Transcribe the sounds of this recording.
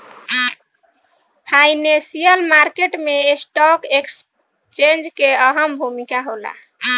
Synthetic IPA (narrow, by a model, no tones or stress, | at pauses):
pʰajnẽsijəlmaɾkeʈmesʈɔkeks | t͡ʃẽnd͡ʒkeəɦəmbʱumikaɦola̰